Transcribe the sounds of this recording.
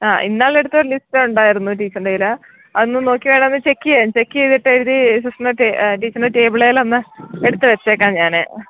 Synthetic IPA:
aːʔḭnːaːɭe̞ɽut̪ːɐoɾɐlisteuɳɖaːjiɾunːuʈ̬iːt͡ɕːɐɳɖejilɐ | ɐðonːɨno̞ːkːiʋeːɳɖaɐnːɨt͡ɕekːijent͡ɕekːijeðiʈːeɾuðisusɐneʈeʈiːt͡ɕːɐnɖeʈe̞ːbiɭejilonːɨe̞ɽut̪ːɨʋet͡ɕːe̞ːkːaːmɲaːnɨ̰

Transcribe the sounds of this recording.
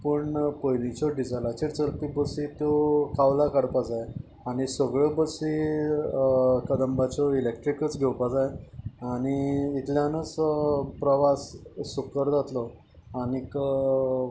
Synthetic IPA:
pəɳpəjlit͡ɕɔɖid͡zalat͡ɕiɾt͡səɾpibəsit̪ɔkawlakəɽpad͡zaj | aɽ̃isəɡɭjɔbəsi | kəd̪əmbat͡ɕɔilek̚ʈɾikət͡sɡʱɛwpad͡zajañiːt̪ljanət͡spɾəʋasːukəɾd͡zat̪lɔ | anikə

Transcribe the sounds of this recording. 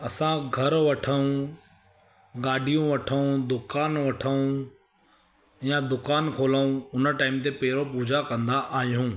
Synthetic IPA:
ɐsãɡʱɐɾʋɐʈʰəũ | ɡaːɖʱijũʋɐʈʰəũd̪ʊkaːnʋɐʈʰəũ | jãd̪ʊkaːnkʰoːləũʊnə̆ʈaːɪmt̪̬epɐɦɪɾopuːd͡ʑʱakɐ̃nd̪aʔaːɦijũː

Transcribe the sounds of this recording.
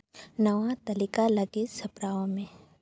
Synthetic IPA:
nəʋat̪ɐlikaləɡɪt̪sɐpɾaːõmẽ

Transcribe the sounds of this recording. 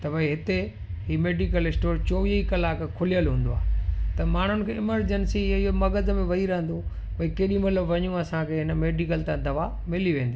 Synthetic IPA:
t̪ɐʋɐiɦɪt̪e | ɦiːmeːɖikəlɪsʈoːɾt͡ɕoːʋiəikɐlaːkkʰʊlijəlɦũːn̆d̪oa̰ːɦet̪ɐmaːɳ̤ʊnɪ̆kʰeːɪməɾd͡ʑənsiɪɦomɐɡəd̪əmẽʋɐɦiɾɐɦə̃n̆d̪o | pɐikeːɗĩmɐt̪ləbʋɐɲũɐsãkʰeɦɪnəmeːɖikəlt̪ãːd̪ɐʋa | mɪliʋẽːnd̪iː

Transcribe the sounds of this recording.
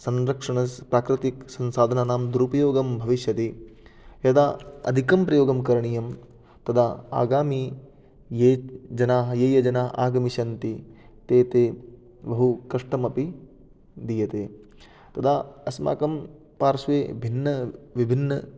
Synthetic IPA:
sɐnɾɐkʂɐɳɐspɾaːkɾɪt̪iksɐnsaːd̪ʱɐnaːnaːmd̪uɾupɐjoːɡɐmbʱɐʋiʃjɐt̪i | jɐd̪aːɐ̰d̪ʱikɐmpɾɐjoːɡɐmkɐɾɐɳijɐm | t̪ɐd̪ʰaːa̰ːɡaːmi | jeːd͡ʒɐnaːɦɐjeːjɐd͡ʒɐnaːɦʔaːɡɐmiʃɐnt̪i | t̪eːt̪eː | bɐɦukɐʂʈɐmɐpi | d̪ijɐt̪eː | t̪ɐd̪ʰaːɐsma̰ːkɐm | paːɾsʋeːbʱinːɐʋibʱinːɐ

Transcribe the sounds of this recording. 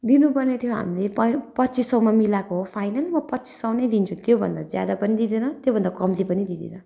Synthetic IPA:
d̪inupʌrnet̪ʰjoɦa̰mileppʌt̪ːt͡sisʌw̃mamilakoɦopʰajnalmʌpʌt̪ːt͡si̥sʌw̃nʌjd̪int͡sʰũt̪jobʱʌ̰nd̪ad͡zja̰d̪apʌnid̪id̪enʌt̪jobʱʌnd̪akʌmt̪ipʌnid̪id̪ḛnʌ

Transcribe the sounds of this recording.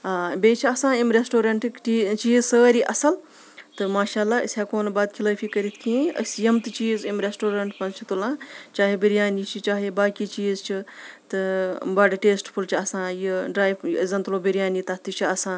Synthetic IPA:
aːbeːt͡ʃʰiɐsãːimɾesʈoːɾɐɳʈikit͡ʃiːzsəːɾiʔɐsɐl | t̪ɨmaːʃaːlːaːisʲaːkoːnbaːd̪̚kʰiləːfʰʲiːkɐɾit̪ʰkʰĩːɐ̰sʲjɐmt̪ɨt͡ʃiːzimɾesʈoːɾɐɳʈpɐnt͡ʃʰit̪ulãːt͡ʃaːɦebiɾjaːniːt͡ʃʰit͡ʃaːɦibaːkit͡ʃiːzt͡ʃʰit̪ɨbɐɖʈeːsʈpʰult͡ʃʰiɐsãːjiɖɾaːjʋzɐnt̪loːbiɾijaːnit̪ɐt̪it͡ʃʰiɐsãː

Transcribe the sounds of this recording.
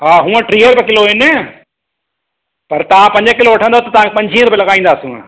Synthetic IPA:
ɦaːɦũːə̃ʈɾiːəɾbɪkɪloɦɪne | pɐɾt̪ɐʋãpɐ̃ɲd͡ʑkɪloʋɐʈʰə̃nd̪ot̪ɐt̪ɐʋãkpɐ̃ɲd͡ʑʱĩːɾʊpelɐɣaːĩːnd̪aːsṵ̃

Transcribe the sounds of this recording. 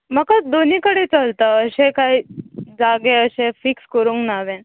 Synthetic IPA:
məkad̪onikəɽet͡səlt̪əəɕẽkaid͡zaɡẽəɕẽfikskəɾũŋknaʋẽ

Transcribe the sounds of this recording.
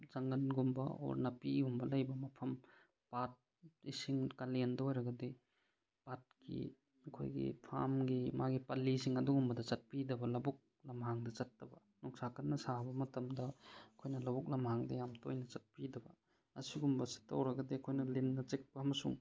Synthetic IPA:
zɐŋɡɐnɡumbɐ̰o̰ɾnɐpiɡumbɐlɐjbɐmɐpʰɐm | pat̚ | isiŋkalendɐojɾɐɡɐde | pat̚kḭ | ɐkʰo̰jɡḭpʰa̰mɡimaɡipɐlːisiŋɐduɡumbɐdɐzɐt̚pidɐbɐlɐbuk̚ | lɐmɦaŋdɐzɐtːɐbɐ | nɔŋsakʰɐnːɐsabɐmɐtɐmdɐɐkʰojnɐlɐbuk̚lɐmhaŋdɐjamtojnɐt͡ʃɐt̚pidɐbɐ̰ | ɐsiɡumbɐsi̥tːɐ̰wɾɐɡɐdeɐkʰojnɐlenːɐt͡ʃek̚pɐːmɐsṵŋ

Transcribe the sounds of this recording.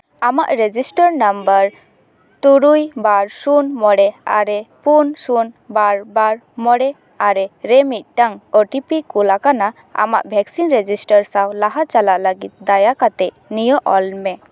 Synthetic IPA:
amaʔɾed͡ʒisʈəɾnambəɾ | t̪uɾujbaɾsunmɔɽɛa̰ɾɛpunsunbaɾbaɾ | mɔɽɛ | aɾɛɾɛmit̪̚ʈaŋoʈipikulakana | a̰ma̰ʔbʱɛksinɾed͡ʒisʈəɾsawlaɦat͡ʃalaʔləɡit̪̚d̪ajakat̪ɛʔ | nijɔʔɔlmɛ

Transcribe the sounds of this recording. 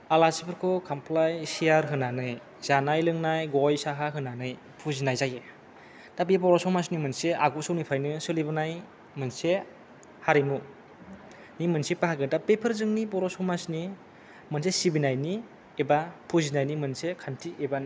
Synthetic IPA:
alasipʰɯɾkʰɔkʰampʰlajsiaɾɦɯnanɯj | zanajlɯŋnajɡɔjsaɦaɦɯnanɯj | pʰuzinajzaje | d̥abebɔɾɔsɔmas̬nimɯnsea̰ɡosɯwnipʰajnɯsɯlibɯnaj | mɯnse | haɾimu | nimɯnsepaɦaɡɯdapepʰəɾzɯŋnibɔɾɔsɔmasni | mɯnsesibinajni | ebapʰuzinajnimɯnsekʰantʰieban

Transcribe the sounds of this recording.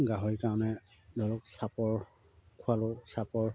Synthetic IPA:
ɡaɦɔɹikaɹɔnɛ | dʱɔlɔksapɔɹ | kʰualɔsapɔɹ

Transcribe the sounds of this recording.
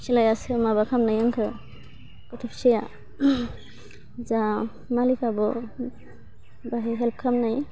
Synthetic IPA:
silajasɯmabakʰamnajaŋkʰɯ | kɔtʰɔpʰsija | za | malikʰabɔ | baɦɛɦɛlp̚kʰamnaj

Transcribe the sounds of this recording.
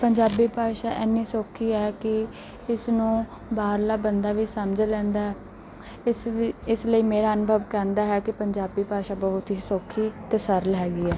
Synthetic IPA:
pəɲd͡ʒaːbiːpaːʃaːʔɛnːiːsoːkʰːiːɛːkɪ | ɪsnũː | baːɾlaːbənd̪aːʋiːsəmd͡ʒlɛ̃ːnd̪aːɦɛː | ɪsləiːmeːɾaːənbʱəʋkɛːnd̪aːɦɛːkɪpəɲd͡ʒaːbiːpaːʃaːbɔːɦʊt̪ɦiːsoːkʰːiːt̪eːsəɾlɦɛːɡiːɛː

